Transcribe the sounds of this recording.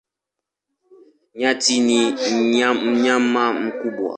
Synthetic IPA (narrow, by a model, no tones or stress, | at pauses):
ɲãtiniam̩ɲamːam̩kubua̰